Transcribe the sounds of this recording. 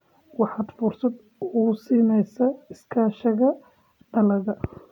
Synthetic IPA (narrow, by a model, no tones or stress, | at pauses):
wɑħɑːd̪fʊrsɐd̪ | ʊsiːnɛjsɐɪskʰaːʃɐɣɐ | ɖɐlɐɣɐ